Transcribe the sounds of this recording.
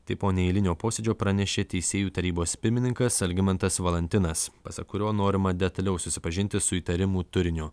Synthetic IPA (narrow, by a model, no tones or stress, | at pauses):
t̪ɐɪpoːnʲɛɪlʲɪnʲoːpoːsʲed͡ʒʲoːpɾɐnʲɛʃʲeːt̪ʲɛɪsʲeːjuːt̪ɐɾʲiːboːspʲɪɾʲmʲɪnʲɪŋkɐsɐlʲɡʲɪmʲɛnt̪ɐsʋɐlˠʲɐnʲt̪ʲɪnɐspɐsɐ̰kʊɾʲoːnoːɾʲɪmɐd̪ʲɛt̪ɐlʲɛʊsʊsʲɪpɐʒʲɪnʲt̪ʲɪsʊiːt̪ɐɾʲɪmuːt̪ʊɾʲɪnʲʊː